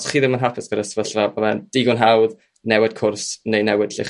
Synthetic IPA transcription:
sχiːðɪmənɦapʰɪsɡ̥əɾəsvəɬvaboðɛnd̥iɡʊnɦawð | nɛwɪd̥̚kʰʊrsnejnɛwɪdɬɪ̰χ

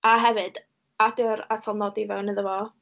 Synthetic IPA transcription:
ʔaɦɛvɨd̥ | adəɾatʰɔlˠnɔdivɛwnəðəvɔ

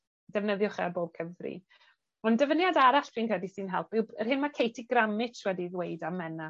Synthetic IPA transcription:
d̥ɛvnəðjʊχɛ̰boːb̥̚kʰəvrḭ | ɔndəvənjadaɾaɬʰiːnkʰrɛdisɨnɦɛlˠpɪwərɦhɪnmakʰejtʰiɡramɪtʰwɛdiðwejdamɛna

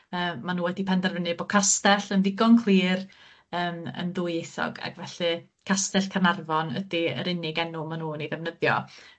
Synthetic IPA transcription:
əːanuːwɛdipʰɛndɛrvənɨbɔkʰastɛɬənðɪɡɔnkʰlˠiːr | əːmə̰nðʊːjejθɔ̰ɡa̰ɡvɛɬɨ | kʰastɛɬkʰanarvɔnə̰diə̰ɾɪnɪɡɛnʊmanuːniðɛvnəðjɔ̰

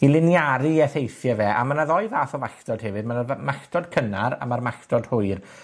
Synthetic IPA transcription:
ilˠɪnjaɾɨɛθejθjavɛːʔa̰manaðɔɨðaːθɔvaɬtɔd̥hɛvɨd̚manamaɬtɔd̚kʰənaɾa̰marmaɬtɔd̥hʊɨr

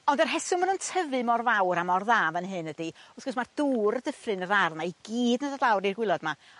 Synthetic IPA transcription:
ɔndərɦɛsʊmanuntʰəvɨmɔrvawɾamɔrðaːvənɦɨnədiʊsɡɔsmard̥uːrədəfrɨnəɾarˠnaiɡ̥iːdnədədlˠawɾirɡwɪlˠɔdma

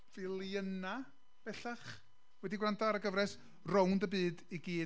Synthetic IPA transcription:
vɪlˠjəna | b̥ɛɬaχ | wɛdiɡwrantʰaɾəɡəvɾɛs | rɔwndəbɨːdiɡiː

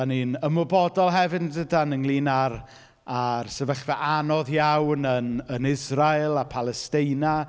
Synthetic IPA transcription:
aninəmɔbɔdɔlˠɦɛvɨndədanəŋlˠiːnar | arsɛvəχvɛʔanɔðjawnənənɪzrajlˠapʰalˠɛstɪjna

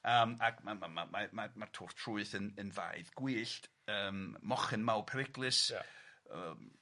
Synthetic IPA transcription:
əːmakmamamamamamartʰuːr̥tʰrʊɨθənənva̰jðɡ̥wiːɬt | əːmmɔχɪnmawpʰɛɾɪɡlˠɨs | əm

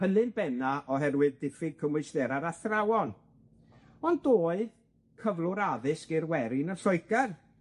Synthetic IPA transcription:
həlɨnbɛnaʔɔɦɛrwɨðdɪfɪɡ̚kʰəmɪɨsdɛɾaɾaθrawɔn | ɔndoːɨð | kʰəvlˠʊɾaðɨskɪrwɛɾɪnənɬɔɨkɛr

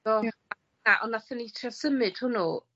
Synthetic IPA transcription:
ɔa | naʔɔnaθɛnitʰrɔsəmɨd̥hʊnu

